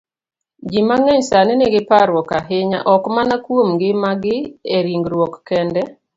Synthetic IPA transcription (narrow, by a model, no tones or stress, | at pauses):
d͡ʒimaŋɛɲsaneneɡɪpaɾwɔkaɦɪɲa̰ʔɔkmanakwomɡɪmaɡɪeɾiŋɡɾwɔkːɛndɛ